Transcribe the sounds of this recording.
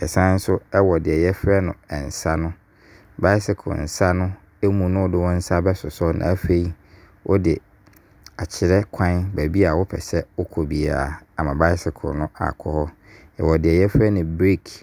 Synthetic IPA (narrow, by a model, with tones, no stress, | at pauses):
ɛ˨sã˦n̩˦sʊ˦ɛ˦wɔ˨dɪ˨ɛ˨jɛ˦fɾɛ˦nʊ̰̃˨ɛ˨n̩˨sa˦nʊ̃˦ | ba˦ɪ˦sɪ˨kʰʊ̰˨n̩˨sa˦nʊ̃˦ | e˦mũ˨nʊ̃˦wdɪ˦wɔ̃˦n̩˦sa˦bɛ˦sʊ˨sɔ˦nã̰˨˦fe˦i˦ | wʔɔ̰˦dɪ˨ | a˨t͡ɕʰɪ˨ɾɛ˦kʰã˦nbæ˨bi˦a˨wʊ˦pʰɛ̰˨sɛ˦ʊ˦kʰo˨bi˨a˨a˨mã˨ba˦ɪ˦sɪ˨kʰʊ̰˨nʊ̃˦ʔa̰˨kʰɔ˦hɔ˦ | ɛ̰˨wɔ˨dɪ˨ɛ˨jɛ˦fɾɛ˦nʊ̃˨bɾi˦kʰ